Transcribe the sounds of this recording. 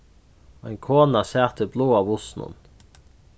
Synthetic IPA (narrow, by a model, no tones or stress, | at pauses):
æɪŋkʰoːnasæːʁt̪əbloːɑːʋʊsnʊ̰n